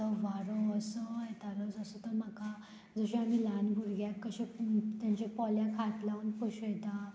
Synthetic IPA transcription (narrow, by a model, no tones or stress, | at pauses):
əʋaɾəəsəet̪aɾəd͡zəsət̪əɾm̤aka | d͡zəɕẽam̤ilanbʱuɾɡjakəɕẽt̪jãɲt͡ɕapɔljãkʰat̪laʋənpəɕəjt̪a